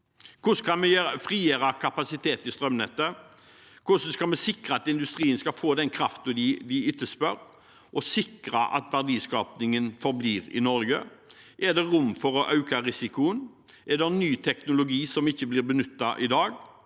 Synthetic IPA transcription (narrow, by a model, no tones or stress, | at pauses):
kʰʊskʰɑmɛjfʁiːeːɾɑkʰɑpɑsɪt̪ʰeːt̪ɪst̪ɾœmnɛt̪ːə | kʰʊsm̩skɑlmɛsɪkɾəɑt̪ɪnd̪ʉst̪ʁiːənskɑfoːd̪ɛnkʰɾɑft̪ʊd̪ɪd̪ɪɪt̪ːəspœɾ | ʔɔsɪkɾɑʔɑ̰t̪ʋæʁd̪iːskɑːpnɪŋənfɔɾbliːʁɪ̰nɔɾɡəʔɛd̪ɛʁʊmfɔɾɔʔɑʉkɑɾɪsɪkʊən | ʔɛd̪ɛnːyːt̪ʰɛknʊlʊɡiːsɔmɪçːəblɪɾbənʉt̪ːɑʔɪd̪ɑːɡ